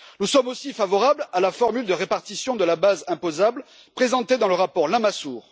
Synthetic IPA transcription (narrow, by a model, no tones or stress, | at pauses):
nusɔmosifavɔʁablalafɔʁmyld̪əʁepaʁt̪isjɔ̃d̪əlabazɛ̃pozabl | pχezɑ̃t̪ed̪ɑ̃ləʁapɔʁlamasuːʁ